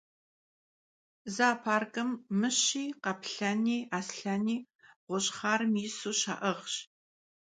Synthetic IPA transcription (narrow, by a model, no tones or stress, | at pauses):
zaːpʰaːrkʼɐmːɨɕiːqɐpɬaniːaːsɬaniː | ʁʷʊɕχaːɾɨmisuːʃa̰ːʔɐʁɕ